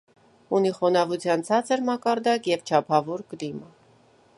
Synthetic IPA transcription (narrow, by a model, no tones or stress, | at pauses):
uniχɔnɑvut͡sʰjɑnt͡sʰɑt͡səɾmɑkɑɾd̪ɑkjɛvt͡ʃʰɑpʰɑvɔɾkəd̪imɑ